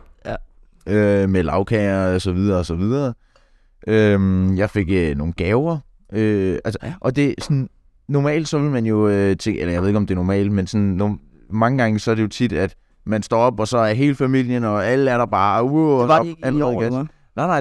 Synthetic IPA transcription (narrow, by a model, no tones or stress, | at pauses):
ømelɑ̈ʊkʰɛɐsɒ̽ʋið̞ˠɐɒsɒ̽ʋið̞ˠɐ | ʔømjɑ̈ɪfe̝ɡ̥øno̝ːŋ̩ɡ̥ɛːʊɐ | øælsɐʔɒ̽d̥e̝sɒ̽n | nɒmɛ̰ːld̥sɒ̽ʋe̝lmænjo̝t͡sʰeŋelɐjaɪe̝ðˠe̝ɡ̥ɒd̥e̝ɐnɒmɛ̰ːld̥mensɒ̽nːɒ | mɑ̈ŋəɡ̥ɑ̈ŋəsɒ̽æɐɾ̥e̝jo̝t͡sʰid̥æd̥ | mænsd̥ɒ̰ːɒ̽b̥ɒ̽sɒ̽æɐɦe̝ːləfæmil̰jənɒ̽æləæɐɾ̥ɑb̥ɑ̈ːuælʁɛð̩̥ˠæ | nɑɪnɑ̈ɪ